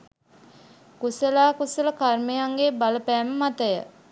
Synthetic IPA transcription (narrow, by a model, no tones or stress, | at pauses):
kusəlaːkusələkarmejaŋɡebaləpæːməmat̪əjə̰